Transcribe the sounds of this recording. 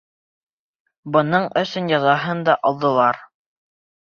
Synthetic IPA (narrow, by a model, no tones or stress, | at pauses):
bɤ̆nɤɴɵ̆sɵnjɑðɑɦɤnd̪ɑʔɑlˠd̪ɤ̆lˠɑɾ